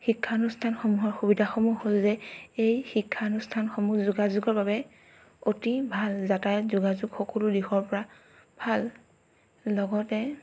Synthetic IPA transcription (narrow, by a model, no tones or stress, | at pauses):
xikʰːanustʰanxomuɦɔɹxubidʱaxɔmuɦolzɛejxikʰːanustʰanxomuzuɡazuɡɔɹbabɛ | otibʱalzatajzuɡazʊɡxɔkɔlʊdixɔɹpɔɹa | bʱal | lɔɡɔtɛ